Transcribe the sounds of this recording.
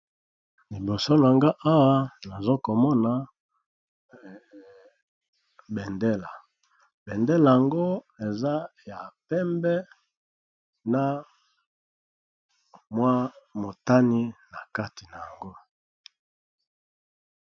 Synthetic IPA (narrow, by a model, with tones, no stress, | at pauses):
li˨bo˨so˦n˨a˨ŋɡa˦ʔa˦wa˦na˨zo˦ko˨mɔ˦na˨ | bɛ˨nde˦la˨ | bɛ˨ndɛ˦la˨ja˨ŋɡo˦e˨za˦ja˨pɛ˦mbɛ˦ | na˦ | mwa˦mo˨ta˦ni˦na˨ka˦ti˨na˨a˨ŋɡo˦